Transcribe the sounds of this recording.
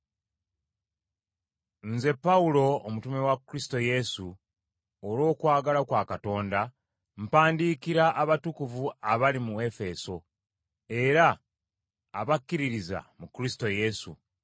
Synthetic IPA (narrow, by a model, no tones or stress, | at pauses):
nze̞pːawulo̞ːmutume̞wakuɾisito̞je̞su | olo̞ːkwaːɡalakwaːkato̞ːnda | m̩paːndikiɾaʔaβatukuvuaβalimue̞fe̞so̞ | e̞ɾaː | βakːiɾiɾiza̰mukɾisi̥to̞je̞sṵ